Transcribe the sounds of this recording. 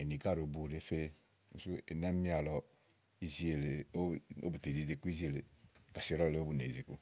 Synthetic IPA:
e˨ni˨ka˦˨ɾo˨bu˦˨ɾe˦fe˦ | u˨su˦ḛ˨nɛ˦mi˦a˨lɔ˨ | i˦zi˦e˨le˨˦o̰˦bu˨te˨zi˨ze˦ku˦i˦zi˦e˨le˨ka˨si˦ɾɔ˦˨le˨˦o˦bu˨nḛ˨ze˨ku˦

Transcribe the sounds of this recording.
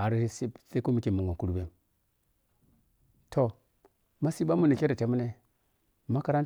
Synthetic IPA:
a˨ɾi˦sse˦ko˦mi˦ke˨mu˨ŋa˨ku˦ɾu˦be˦m | tʰo˨ | ma˦si˦ba˦mu˦˨ni˨kʲe˦ɾe˨ta˨mu˦ne˦˨ | ma˦ka˨ɾa˦n˦

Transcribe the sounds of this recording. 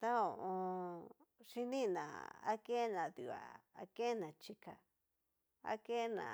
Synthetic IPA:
t̪a˦õ˨ʔõ˧ | ʂi˦nĩ˦˨nã̰˨a̰˦ke˦nã˨ðu˨a̰˨a˧ke˦nã˨t͡ʃi˧ka˨ | a̰˦ke˦nã̰˨

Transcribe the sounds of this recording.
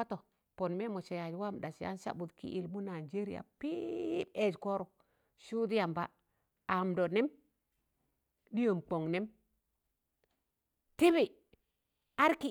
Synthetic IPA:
a˦to˨ | po˨nme˦mo˨t͡ʃe˨ja˨d͡ʒwa˦˨m˨ɗa˨sja̰˦nsa̰˦bu˨dkḭ˦ʔi˨lmu˦na˨d͡ʒe˦ɾḭ˨ja̰˨pi˦be˦d͡ʒko˦ɾu˨ | ʃu˦di˦ja˨mba˨ | a˨mdo˨ne˦m | di˦jo˨mk͡po˨ŋne˦m | ti˦bi˨ | a˦ɾki˦˨

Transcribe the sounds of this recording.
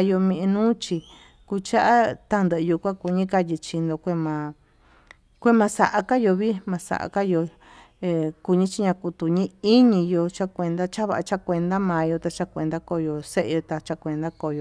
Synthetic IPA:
a˧jo˧mĩ˧ʔi˧nũː˦t͡ʃi˧ | ku˧t͡ʃa˦ʔa˦t̪a˦nd̪ə˧ʔɨ˧ju˧kʷã˦ku˧ɲĩ˦ka˧ji˧t͡ʃi˧nd̪o˧kʷe˦mã˧ | kʷe˦mã˧sa̰˧ʔa˧ka˦jo˧βi˦mã˧sa̰˨ʔa̰˧ka˦jo˧ | e˧ku˧ɲĩ˦t͡ʃi˦ɲã˧ku˧t̪u˧˨ɲĩ˦i˦ɲĩ˧jo˧t͡ʃa˦kʷe˧nd̪a˦t͡ʃa˦βa̰˧ʔa˧t͡ʃa˦kʷe˧nd̪a˦mã˨˧jo˧t̪a˧t͡ʃa˦kʷe˧nd̪a˦ko˧jo˧se˦ʔḛ˧jo˧t̪a˧t͡ʃa˧kʷe˧nd̪a˦ko˧˨jo˧

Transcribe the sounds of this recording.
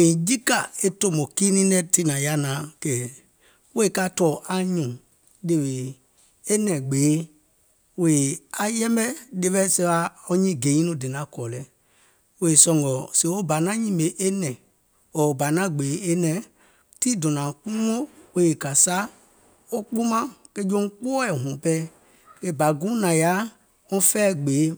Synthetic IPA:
ẽ˨d͡ʒi˦ka˨e˦to˦˨mõ˨ki˦nĩ˦nɛ̃˦ti˦nã˨ja˦nã˨˦kɛ˨ | we˦e˦˨ka˦˨tɔ˨ʔa˦ɲũ˨ | de˧we˨ | e˦nɛ̃˨ɡ͡beː˨˦ | we˨a˨jɛ˦mbɛ˦de˦˧ɓɛ˦sɛ˧˦wa˧˦ɔ˦ɲĩ˦˨ɡe˨˦ĩ˦nũ˦de˨nã˨˦kɔ˨lɛ˨˦ | we˨e˨sɔ̃˨ŋɡɔ˨se˨wo˦ba˨nã˦ɲĩ˦me˨ʔe˦nɛ̃˨ | ɔ˨ba˨nã˦ɡ͡be˨˦e˦nɛ̃˨ | ti˦dɔ̃˨nã˨k͡pũ˦ŋo˦we˦je˨ka˨sa˦ | o˦k͡pu˦mã˦ke˦d͡ʒõ˦ŋ˦k͡po˦ɛ˨ɦɔ̃˨pɛ˦ | ke˦ba˨ɡũ˦nã˨ja˦ | ŋɔ̃˦fɛ˦˨ɡ͡be˨˦

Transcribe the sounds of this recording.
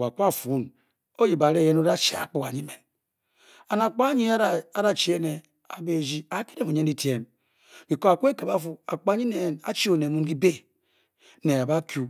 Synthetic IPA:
a˨ku˦a˦˨fu˨˦n | o˦ji˨ba˨ɾe˦˨je˦no˦da˦t͡ʃe˨a̰˨k͡pu˦ka˨ɲi˦me˨n | a˨na˨k͡pa˦ɲi˦˨a˦da˨t͡ʃi˨e˦ne˨ | a̰˨be˦˨d͡ʒi˦a˨˦ki˦de˦˨mo˨ɲe˦n˦di˦tje˦m | ki˨ko˦a˨ku˦e˦ke˨ba˦fu˦a̰˨k͡pɲi˦ne˨a̰˦t͡ʃi˦o˨ne˨mu˦nɡi˦be˦ | ne˨a˨ba˦kju˨

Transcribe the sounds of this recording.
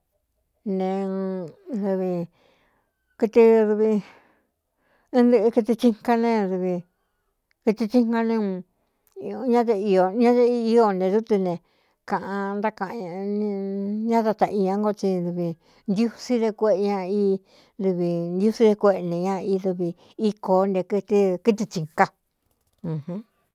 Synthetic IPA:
nẽ˨˧ | ðu˧βi˧ | ki˧t̪i˧ðu˧βi˧ | ĩ˦nd̪ɨ˧ki˧t̪i˧t͡ʃi˦ŋka˧nẽ˧ðu˧βi˧ | ki˧t̪i˧t͡ʃi˦ŋka˧nẽ˧ | ɲã˦ðe˧i˧o˧˨ɲã˦ðe˦i˧˦i˧o˧nẽ˧ðu˦t̪i˧nẽ˨ | kã˨ʔã˧nd̪a˦kã˨ʔñ˧ɲã˦t̪a˧t̪a˧ʔi˧ɲã˧ŋɡo˧t͡ʃi˧ðu˧βi˧ | nd̪ju˦si˦ðe˧kʷe˧ʔe˧ɲã˧i˧˦ | ðu˧βi˧nd̪ʲu˦si˦ðe˧kʷe˧ʔnẽ˨ɲã˧i˧ðu˧βi˧ | i˦koː˨˦nde˧kɨ˧t̪i˦ki˦t̪̬i˧t͡ʃi˧ŋka˧ | ũ˧˨hũ˦

